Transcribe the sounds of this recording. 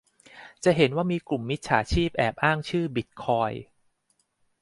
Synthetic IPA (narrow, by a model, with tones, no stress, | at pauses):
t͡ɕa˨˩ɦe˩˦nwaː˥˩miː˧klu˨˩mːi˦˥t̪̚t͡ɕʰa̰ː˩˦t͡ɕʰiː˥˩p̚ʔɛː˨˩p̚ʔaː˥˩ŋt͡ɕʰɯː˥˩bi˨˦˥t̪̚kʰɔː˧j